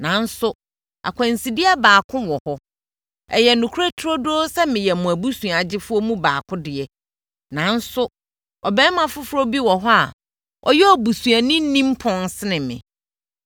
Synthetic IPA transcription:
nã˨˦n̩˦sʊ˦ | a̰˨kʷʰã˨n˨si˨dɪ˦ɛ˦baː˨kʰʊ̃˦wɔ˨hɔ˦ | ɛ̰˨jɛ˨nũ˨kʰu˦ɾa˦tʰɾɔ˦do˦sɛ˦mɪ̃˨jɛ˨mũ˨æ˨bu˦sũ˨a˨d͡ʑɪ˦fʊ˦ɔ˦mũ˦baː˨kʰʊ̃˦dɪ˨ɛ˦ | nã˨˦n̩˦sʊ˦ | ɔ˨bɛ̃ː˦mã˦fʊ˦fʊ˦ɾo˦bi˦wɔ˨ɦɔ˦a̰˨ | ɔ̰˨jɛ˦ɔ˨bu˨sũ˨a˨nĩ˦n̩˦nĩ˦m˦pʰɔ̃˦nsɪ˦nɪ̃˨mɪ̰̃˨

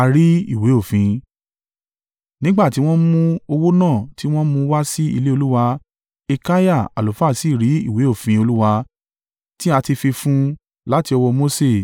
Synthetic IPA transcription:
a˧ɾi˦ḭ˦˨we˨˦o˦˨fĩ˧ | nĩ˦ɡ͡ba˦˨ti˨˦w̃ɔ̃˦mũ˦o˧wo˦nãː˦˨ti˨˦w̃ɔ̃˦mũ˧wa˦si˦ḭ˧le˦o˧lu˦wa˧ | e˧ka˦ja˦˨a̰˨lo˨fa˦˨si˦˨ɾi˨˦i˦˨we˨˦o˦˨fĩ˧˦o˧lu˦wa˧ | ti˦a˧ti˧fi˧fũ˦ | la˨˦ti˧ɔ˧wɔ˧mo˦se˦˨

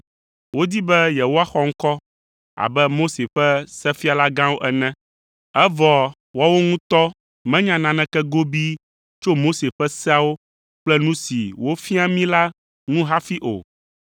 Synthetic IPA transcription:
wo˦d̪i˦bɛ˦jɛ˨wo˦a˦xɔ˦ŋ̩˦kɔ˦ | a̰˨bɛ˦mo˦se˨ɸɛ˦sɛ˦fi˦a˨la˦ɡã˦wo˦ʔɛ˨nɛ̃˦ | ɛ˦vɔ˨ | wɔ˦wo˦ŋũ˦t̪ɔ˦ | mɛ̃˦ɲã˨nã˨nɛ̃˨kɛ˦ɡo˦bi˦ | t͡ʃo˦mo˦se˨ɸɛ˦sɛ˦a˦wo˦ | k͡plɛ˦nũ˦si˨wo˦fi˦a˦mĩ˦la˦ | nũ˦ɦa˦fi˦ʔo̰˨

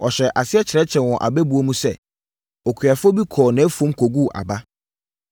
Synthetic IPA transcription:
ɔ˨ɕɛ˨ʔa˨sɪ˦ɛ˦t͡ɕʰɪ˨ɾɛ˦t͡ɕʰɛ̃˨wɔ̃˨ʔa̰˨bɛ˦bu˨o˦mũ˦sɛ˦ | ɔ˨kʰɥa˨fʊ˦ɔ˦bi˦kʰɔː˨nɛ̃˨˦fũ˨˦mkʰo˨ɡu˦˨ʔa̰˨ba˦

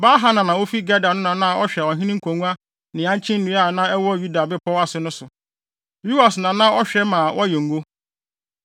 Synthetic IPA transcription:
baː˦ɦa˦nã˨nã˨wo˦fi˦ɡɛ˦da˨nʊ̃˦nã˨nã˦ɔ˦ɕᶣɛ˨ɔ˨ɦĩ˦nɪ̃˦kʰõ˨ŋũ˦a˦ | nɪ̃˨ã˦t͡ɕʰɪ̃˦n̩˦nũ˨˦a˦˨nã˦ɛ˦wɔ˦ju˦da˨bɛ˦pʰɔ˦wa˨sɪ˨nʊ̃˦sʊ˨ | lu˦a˨snã˨nã˦ɔ˦ɕᶣɛ˦mã˨wʔɔ˦jɛ˨ŋ̩˨ɡo˦

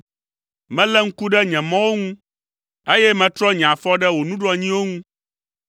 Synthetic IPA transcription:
mɛ̃˦lɛ˦ŋ̩˦ku˦ɖɛ˦ɲɛ̃˨mɔ̃˦wo˦ŋũ˦ | e˦jɛ˦mɛ̃˨t̪ɾɔ˦ɲɛ̃˨ã˨fɔ˦ɖɛ˦wo˨nũ˦ɖɔ˦ɲĩ˦wo˦ŋũ˦

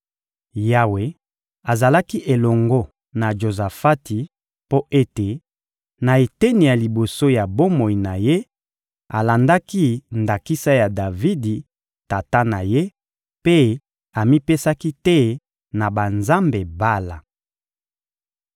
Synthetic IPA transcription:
ja˦we˨ | a˨za˨la˦ki˦ʔe˨lɔ˨ŋɡo˦ | na˨ʒo˨za˨fa˦ti˨ | po˦ʔe˦te˨ | na˨e˨te˦ni˨ja˨li˨bo˨so˦ja˨bo˦mo˨i˨na˨je˦ | a˨la˨nda˦ki˦nda˨ki˦sa˦ja˨da˨vi˦di˨ | ta˨ta˦na˨je˦ | pe˦ | a˨mi˦pe˦sa˦ki˦tɛ˦ | na˨ba˨nza˦mbe˨ba˦la˨

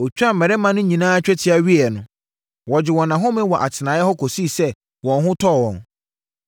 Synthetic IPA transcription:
o˨t͡ɕᶣa˦mɛ˨ɾɛ˦mã˨nʊ̃˦ɲĩ˨nãː˦a˦t͡ɕᶣɛ˦tʰɪ˦a˨ɥi˦ɛ˨nʊ̃˨ | wɔ˨d͡ʑɪ˨wɔ̃˨nã˨ɦʊ̃˦mɪ̃˦wɔ˨ʔa̰˨tʰɪ˨nã˨˦jɛ˦hɔ˦kʰo˨si˦˨sɛ˦ | wɔ̃˨nɦʊ̃˦tʰɔ˦˨wɔ̃˨n

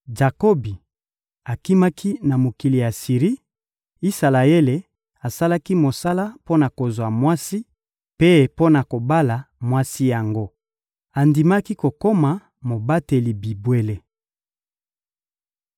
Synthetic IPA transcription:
d͡ʒa˨ko˦bi˨ | a˨ki˦ma˦kʰi˦na˨mo˨ki˨li˨ja˨si˨ʁi˦ | i˦sa˨la˨e˦le˨ | a˨sa˦la˦ki˦mo˨sa˦la˦po˦na˨ko˨zwa˨mwa˦si˦ | pe˦po˦na˨ko˨ba˦la˨mwa˦si˦ja˨ŋɡo˦ | a˨ndi˨ma˦ki˦ko˨ko˦ma˨ | mo˨ba˦te˨li˨bi˨bwe˦le˦

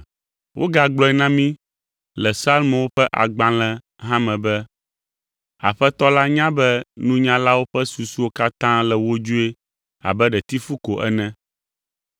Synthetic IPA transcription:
wʔo̰˦ɡa˨ɡ͡blɔ˦ɛ˦nã˦mĩ˦ | lɛ˨sa˦lm˨wo˦ɸɛ˦ʔa̰˨ɡ͡bã˦lɛ̃˦ | ɦã˦mɛ̃˨bɛ˦ | a̰˨ɸɛ˦t̪ɔ˦la˦ɲã˦bɛ˦nũ˦ɲã˦la˦wo˦ɸɛ˦su˨su˦wo˦ka˦t̪ã˦lɛ˨wo˦d͡ʒu˦e˦ | a̰˨bɛ˦ɖɛ˨t̪i˦fu˦ko˨ʔɛ̰˦nɛ̃˦

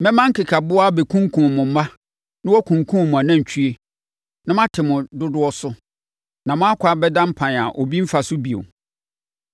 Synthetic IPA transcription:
mɛ̃˦mã˦ŋ̩˦kʰɪ˨kʰa˨bʊ˦a˦be˨kʰũ˦ŋ˦kʰũ˨mʊ̃˨˦mã˦ | nʊ̃˦wɔ˦kʰũ˨ŋkʰũ˦˨mʊ̃˨a˨nã˦˨ɲ̩˨t͡ɕʰᶣɥe˦ | nã˦mã˦tʰɪ˨mʊ̃˨dʊ˦dʊ˦ɔ˦sʊ˦ | nã˨mʊ̃˦a˦kʰʷa˨bɛ˦dã˦m̩˦pʰã˨n˨a˨ʔɔ˨bi˦m̩˦fa˨sʊ˦bi˨o̰˨

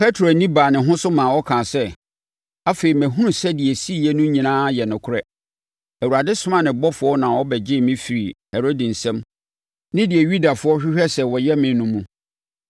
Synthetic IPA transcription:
pʰɛ˦tʰɾo˨nĩ˦baː˨nɪ̃˨ɦʊ̃˦sʊ˦mãː˨wɔ˦kʰãː˨sɛ˦ | a˦fe˨ɾi˨mæ̃˨ɦũ˦ũ˨sɛ˦dɪ˨ɛ˨si˦˨jɛ˦nũ˦ɲĩ˨nãː˦jɛ˨nʊ̃˨kʰʊ˦ɾɛ˦ | æ˨wu˨a˨dɪ˦sʊ˦mã˦nɪ̃˨bɔ˦fʊ˨˦ɔ˦nã˨wɔ˦bɛ˨d͡ʑɪ˦mɪ̃˦fi˨ɾi˨hɛ˨ɾo˦dɪ̃˨n̩˨sɛ̃˦m | nɪ̃˦dɪ˨ɛ˨ɥu˦da˨fʊ˨˦ɔ˦ɕᶣɪ˦ɕᶣɛ˦sɛ˦wɔ˨jɛ˦mɪ̃˨˦nũ˦mũ˦

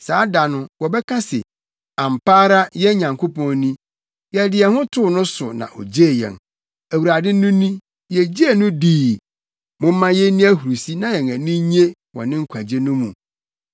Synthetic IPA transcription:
saː˨˦da˨nʊ̃˦wɔ˨bɛ˦kʰã˦sɪ̰˨ | ã˨m˨paː˦ɾa˦jɛ˦ɲã˨ŋkʰo˦pɔ̃˦nĩ˦ | jɛ˨dɪ˨ɛ˨hʊ̃˦tʰʊ˦˨nʊ̃˦sʊ˨nã̰˨ʔɔ̰˨d͡ʑe˦˨jɛ̰˨n | æ˨wu˨ɾa˨dɪ˦nːʊ̃˦nĩ˦ | jɛ˨d͡ʑi˦e˦˨nʊ̃˦diː˨ | mʊ̃˦mː˦ã˦jɛ˦nĩ˦æ˦ɦu˨ɾu˨si˦nã˦jɛ˨ŋæ̃˨nĩ˦ɲe˦ | wɔ̰˨nɪ̃˦ŋ̩˦kʷʰa˨d͡ʑe˦nʊ̃˦mũ˨

